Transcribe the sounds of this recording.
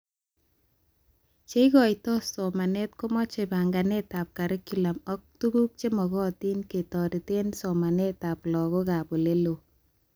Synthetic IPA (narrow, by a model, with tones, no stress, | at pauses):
t͡ʃe˦ikɔ˨jtɔ˦soma˨ne˦t̚ko˦mɔ˦t͡ʃe˨ba˨ŋɡane˦ta˨p̚ka˨ɾɪ˦kːi˨la˨mɔ˦k̚tu˦ɡu˦k̚t͡ʃe˦mɔ˨ɣɔ˦ti˦nke˨tɔ˨ɾi˨te˦nsɔ˨ma˨ne˦ta˨plɔ˨ɣo˦ka˨po˨le˦lo˨